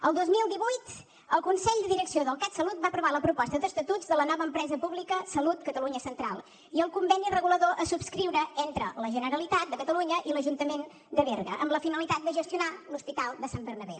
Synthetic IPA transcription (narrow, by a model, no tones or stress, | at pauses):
əlˠd̪ozmilˠd̪iβujt̪ | əlˠkunsɛʎd̪əðiɾəksioðəlˠkat̪səlut̪̚bapɾuβaləpɾupɔst̪əðəst̪ət̪uzðələnɔβəːmpɾɛzəpuβlikəsəlut̪kət̪əluɲəsənt̪ɾa̰lˠ | iəlˠkumbɛnirəɣuləðoʔəsupskɾiwɾəent̪ɾələʒənəɾəlit̪at̪̚d̪əkət̪əluɲəʔiləʒunt̪əmen | d̪əβerɣə̰ʔəmləfinəlit̪at̪̚d̪əʒəst̪iunaluspit̪alˠd̪əsambərnəβḛ